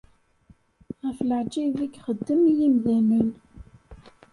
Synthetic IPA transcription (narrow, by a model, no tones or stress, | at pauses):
ʁəfləʕd͡ʒiðiɡχəd̪ːəmijimðænən